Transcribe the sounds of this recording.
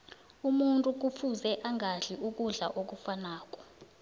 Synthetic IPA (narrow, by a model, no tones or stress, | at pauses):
umuntʼuk̬ufuzɛʔaŋɡʱaɮiʔuk̬ʼuɮaʔok̬ʼufanaːk̬ʼɔ̥